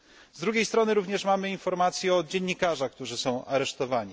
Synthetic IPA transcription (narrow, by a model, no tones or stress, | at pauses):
zd̪ɾuɡʲejst̪ɾɔnɘɾuvɲɛʂmamɘinfɔɾmat̪sʲjɛɔd͡ʑeɲːikaʐak̚t̪uʐɘsɔ̃w̃ʔaɾɛʂt̪ɔvaɲi